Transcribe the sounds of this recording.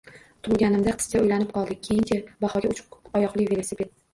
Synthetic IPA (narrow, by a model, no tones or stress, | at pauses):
t̪ʰʊlˠɡʲanɪmd̪aqʰɨ̥skʰʲaojlanɪp̚qʰɒlˠd̪ɪk̚ʲʰːejɪnt͡ʃʰabɑhɒɡʲaʊt͡ʃʰqɒjɒqlˠɪvelesɪbeɾd̪ɪ